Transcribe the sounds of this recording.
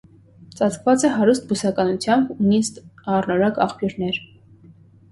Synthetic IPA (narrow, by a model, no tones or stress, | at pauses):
t͡sɑt͡skʰvɑt͡sɛɦɑɾust̪̚busɑkɑnut͡sʰjɑmbunist̪ɑrnɔɾɑkɑ̰χpjuɾnɛɾ